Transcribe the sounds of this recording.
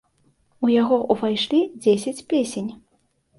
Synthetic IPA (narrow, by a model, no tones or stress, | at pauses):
ujaɣɔʔuvajʂlʲid͡zʲesʲat͡sʲpʲesʲenʲ